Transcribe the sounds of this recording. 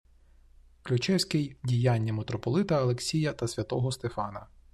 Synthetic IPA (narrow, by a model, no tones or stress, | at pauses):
klʲʊt͡ʃɛwsʲkɪjdʲijanʲːɐmet̪ɾɔpɔlˠɪt̪ɐɐlˠeksʲijɐt̪ɐsʲʋʲɐt̪ɔɦɔst̪efɑnɐ